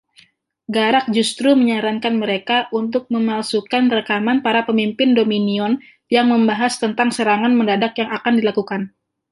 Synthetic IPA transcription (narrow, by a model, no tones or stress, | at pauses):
ɡaɾak̚d͡ʒust̪ɾuməɲaɾankanməɾekaʔunt̪̬ʊk̚məmalsukanrəkamanpaɾapəmimpɪndominiɔn | jaŋməmbaɦast̪ənt̪aŋsəɾaŋanməndadakjaŋakandilakukan